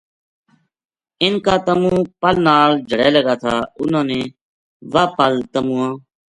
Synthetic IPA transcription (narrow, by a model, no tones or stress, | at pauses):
ɪnkaːt̪əmũːpəlnaːld͡ʒʱəɽeːləɡaːt̪ʰaːʊnãːnẽː | ʋaːpəlt̪əmũːãː